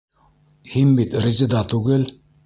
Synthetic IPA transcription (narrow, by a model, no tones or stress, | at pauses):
himbit̪ɾʲɪzɘd̪ɑt̪ʉɡɘl